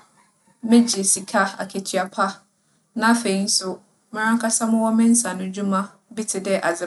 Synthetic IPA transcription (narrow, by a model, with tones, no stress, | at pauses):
mɪ̃˦d͡ʑi˨si˨kʰa˦a̰˨kʰe˨tʰɥa˨pʰa˦ | nã˦fe˨i˦n̩˦sʊ˦ | mɪ̃˦ɾ̃ã˦ŋ˦kʰa˦sã˦mʊ̃˦wɔ˦mɪ̃˦n̩˦sã˨nʊ̃˨d͡ʑu˦mã˦ | bi˦tʰɪ˨dɛ˦ʔa˨d͡zɪ˦˨